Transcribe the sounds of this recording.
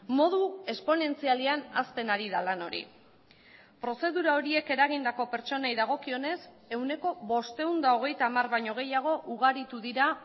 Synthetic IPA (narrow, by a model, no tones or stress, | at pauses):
mo̞ð̞ue̞spo̞ne̞nt͡sialiana̰st̪e̞naɾiðalano̞̰ɾḭ | pɾo̞se̞ðuɾao̞ɾie̞ke̞ɾaɣ̞ind̪ako̞pe̞ɾt͡so̞najðaɣ̞o̞kio̞ne̞s | e̞wne̞ko̞βo̞st̪e̞wnd̪aoɣ̞e̞jt̪amarβajɲo̞ɣ̞e̞jaɣ̞o̞ʔuɣ̞aɾit̪uðiɾa